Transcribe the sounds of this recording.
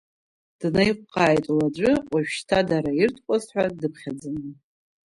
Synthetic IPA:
d̥najqʷʼqʼaːjtʼlad͡ʒʷʼɨqʷʼaʒᶣʃtʰadaɾairtʰkʷʼazħʷᶣadɨpʰχʲad͡zɨn

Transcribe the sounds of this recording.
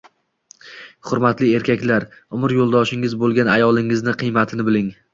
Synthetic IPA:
χʊɾmat̪lɪe̞ɾkʲakʲlaɾʊmɪɾjolˠd̪ɒʃɪŋɪzbolˠɡʲanajɒlˠɪŋɪznɪqʰɨjmat̪ʰɪnɪbɪlɪŋ

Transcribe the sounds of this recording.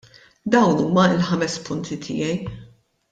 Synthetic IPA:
d̪ɐwnuːmɐɪlħɐmɛspʊnt̪ʰit̪ʰɪ̰jɛj

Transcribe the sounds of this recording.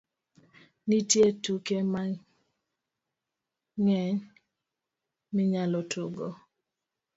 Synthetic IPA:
nitjetukema | ŋɛɲ | mɪɲalɔtʰuɡo

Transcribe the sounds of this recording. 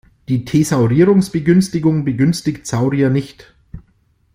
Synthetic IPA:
d̥iːtʰeːzaʊʁiːʁʊŋsb̥əɡʏnstɪɡʊŋbəɡʏnstɪktsaʊʁianɪçt

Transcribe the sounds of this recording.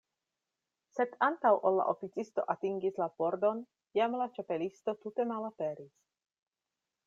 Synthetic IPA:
se̞dantawʔolːa̰ʔo̞fit͡sisto̞ʔatiŋɡislapo̞ɾdo̞n | jamlat͡ʃape̞listo̞t̪ute̞malape̞ɾis

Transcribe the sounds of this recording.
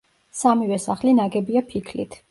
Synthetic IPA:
samivɛsaχlinaɡɛbiapʰikʰlḭt̪ʰ

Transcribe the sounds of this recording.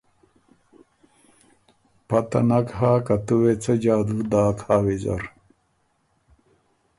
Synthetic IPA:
pɐt̪ɐ̰nɐkhaːkɐt̪uwet͡sɐd͡ʑaːd̪uːd̪aːkhaːwed͡ʑɐ̰ɾ

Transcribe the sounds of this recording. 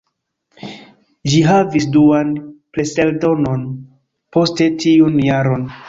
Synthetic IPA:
d͡ʒiɦavisduanpleseldo̞non | po̞ste̞tʰiunjaɾo̞n

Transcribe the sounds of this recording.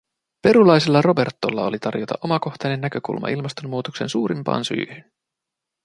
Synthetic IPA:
pe̞ɾulɑjsilːɑro̞be̞rt̪ːo̞lːɑo̞lit̪ɑrjot̪ɑ̰ʔo̞mɑko̞xt̪ɑjnenːækø̞kṵlmɑ̰ʔilmɑst̪o̞mːuːt̪okse̞nsuːɾimpɑ̰ːnsy̰ːhyn

